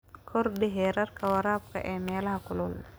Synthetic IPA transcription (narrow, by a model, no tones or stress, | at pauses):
kʰɔrdɪɦɛɾɐrkʰɐwɐɾaːb̚kʰɐ̰ʔɛːmɛːlɐɦɐkʰʊlʊl